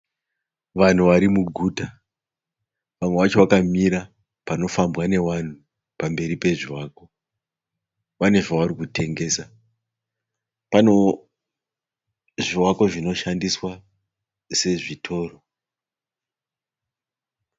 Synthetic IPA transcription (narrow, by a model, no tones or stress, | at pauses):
ʋan̤uʋaɾimuɡʱuːta | ʋamwe̞ʋat͡ʃo̞ʋakamiɾa | pano̞fambwane̞ʋan̤u | pambe̞ɾipe̞ʐiwaːko̞ | pane̞ʐaʋaɾikute̞ŋɡe̞sa | pano | ʐiwako̞ʐino̞ʃandiswa | se̞ʐitʰo̞ːro